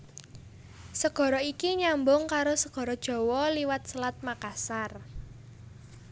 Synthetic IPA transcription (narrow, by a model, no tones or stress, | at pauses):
səɡ̥ɔ̤ɾɔikiɲambʊŋkaɾosəɡ̥ɔ̤ɾɔd̥ʒ̥ɔ̤wɔliwat̪̚səlat̪̚makasar